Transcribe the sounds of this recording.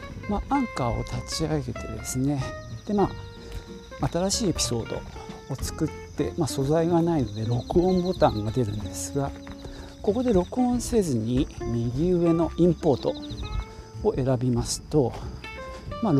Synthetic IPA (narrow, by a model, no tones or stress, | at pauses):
maʔãŋkao̞̰t̪ʰat͡ɕiaɡe̞t̪e̞d̪e̞sɨne̞d̪̥e̞ma | t̪aɾaɕiːe̞pʲi̥so̞̰ːd̪o̞̰ot͡sɨ̥kɯ̟t̪ːe̞̰maso̞zaiɡanaino̞d̪e̞ɾo̞kɯ̟õ̞mbo̞t̪ãŋɡad̪e̞ɾɯ̟̃nd̪e̞sɨɡa | ko̞ko̞d̪e̞ɾo̞kɯ̟õ̞ɰ̃se̞zɨɲ̟imʲiɡʲiɯ̟e̞no̞ʔĩmpo̞ːt̪o̞ | ʔe̞ɾabʲimasɨ̥t̪o̞ | man